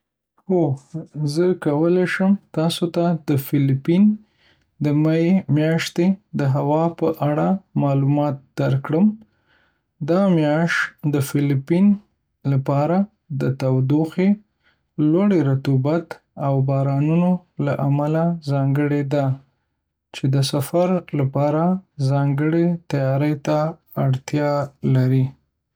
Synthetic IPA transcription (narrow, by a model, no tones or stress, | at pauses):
hozəkawəleʃəmt̪ɑsot̪ad̪əfɪlipin | d̪əmajemjɑʃt̪ed̪əɦawɑpəʔaɽamɑlumɑt̪̚d̪̥aɾkɽəm | d̪ɑmjɑʃd̪əfɪlipin | lapɑɾa | d̪ət̪awd̪oxe | lwaɽeɾat̪ubat̪ | awbɑɾɑnuno | laʔamalazɑŋɡəɽed̪a | t͡ʃed̪əsafaɾlapɑɾazɑŋɡəɽet̪ajɑɾəjt̪aː | ɽt̪jɑlaɾi